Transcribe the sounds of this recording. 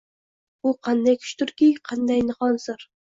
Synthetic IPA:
uqʰɑnd̪ajkʲʰy̥ʃt̪ʊɾkʲiqʰɑnd̪ɑjnɨχɑnsɨɾ

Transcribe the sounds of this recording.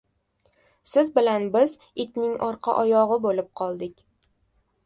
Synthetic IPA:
sɪzbɪlanbɪz | ɪt̪nɪŋɒɾqʰɑ̰ʔɒjɒʁɨbolɪp̚qʰɒlˠd̪ɪkʲ

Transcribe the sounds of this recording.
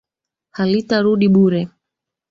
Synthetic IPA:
halitaɾuɗiɓuɾɛ

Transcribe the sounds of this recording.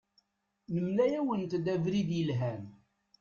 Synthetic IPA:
nəmlæjæwənt̪d̪ævɾiðjəlɦæn

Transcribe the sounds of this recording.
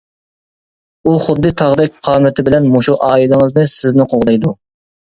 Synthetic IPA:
uχʊd̪ːɨt̪ʰɑʁd̪ɛk̚ʲqʰɑːmɪt̪ʰɪbɪlɛnmoʃuʔɑːilˠɪŋɨznɨsɪznɪqʰoʁd̪ɑjd̪u

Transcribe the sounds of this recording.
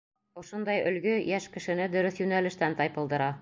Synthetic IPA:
ŏʃond̪ɑjɵ̰̆lɡɵjæʃkɘ̆ʃɘ̆nɘd̪ɵ̆ɾɵθjʉnælɘ̆ʃt̪ænt̪ɑjpɤ̆lˠd̪ɤ̆ɾɑ

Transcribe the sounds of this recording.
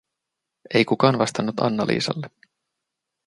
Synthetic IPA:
e̞jkukɑːnʋɑst̪ɑnːut̪ɑ̰nːɑlʔḭːsɑ̰lːe

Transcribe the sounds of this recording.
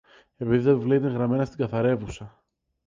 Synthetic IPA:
e̞piðiθɐivlet̪eŋɣɾɐme̞nɐst̪iɡɐθɐɾe̞vusɐ

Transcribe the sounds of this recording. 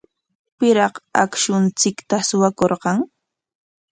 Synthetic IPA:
pɪɾɑqa̰kʃʊnt͡sɪkt̪asʊwakoɾqɑŋ

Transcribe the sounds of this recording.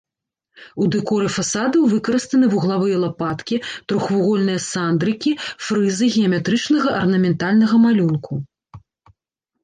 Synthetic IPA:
ud̪ɛkɔɾɨfasad̪ɐwvɨkɐɾɐst̪ɐnɨvuɣlˠavɨjɐlˠapat̪kʲit̪ɾɔxvuɣɔlʲnɨjɐsand̪ɾɨkʲifɾɨzɨɣʲɛɐmʲɛt̪ɾɨt͡ʂnɐɣɐʔɐrnɐmʲɛnt̪alʲnɐɣɐmalʲunku

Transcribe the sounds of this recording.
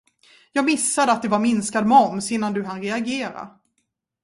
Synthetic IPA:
jɑːɡmɪsːad̪əat̪̚d̪ɛvaɾmɪnskad̪mɔmsɪnːand̪ɵɦanɾɛaɡeːɾa̰

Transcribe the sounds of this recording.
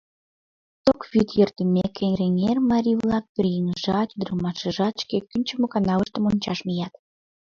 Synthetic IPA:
t̪okβyt̪jørt̪əmekːeŋɾeŋermɑɾʲiβlɑk̚perjeŋəʒɑt̪yd̪əɾəlmɑʃəʒɑt̪ʃkekːynʲt͡ɕəmokɑnɑləʃt̪əmonʲt͡ɕɑʃmijɑt̪

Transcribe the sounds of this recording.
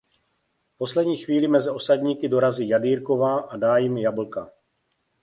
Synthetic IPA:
po̞slɛdɲiːxviːlɪmɛzɪo̞saɟɲiːkɪdo̞ɾaziːjadiːɾko̞vaːʔadaːjɪmjabl̩ka

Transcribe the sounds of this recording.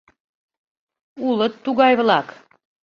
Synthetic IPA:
ulət̪ːuɣɑjβlɑk

